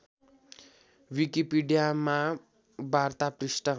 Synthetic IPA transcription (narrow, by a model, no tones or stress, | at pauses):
wikipiɖijama | bart̪aprisʈʌ